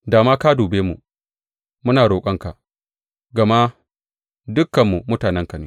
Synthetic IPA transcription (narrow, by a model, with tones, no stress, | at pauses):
daː˨maː˦ka˦duː˨beː˦mṵ˨ | mʊ˦naː˨ɽoː˨kʷʼɐ˦ŋka˨ʔ | ɡɐ˨ma˦ | dʊ˦kːɐ˨mːu˨mʊ˦taː˨nɛ˦ŋkɐ˨ni˦